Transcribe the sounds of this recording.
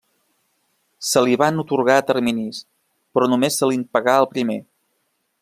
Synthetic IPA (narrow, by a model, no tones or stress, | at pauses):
səliβanut̪uɾɣ̞aət̪əɾminis | pɾɔnumesːəlinpəɣaəlˠpɾime